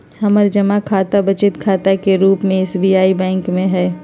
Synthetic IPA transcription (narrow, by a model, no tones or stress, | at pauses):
hɐməɾd͡ʒɐmakʰaːt̪abɐt͡ʃɪt̪kʰaːt̪akeɾuːpmẽɪːsbiːaːibɛ̃ːŋkmẽɦɛː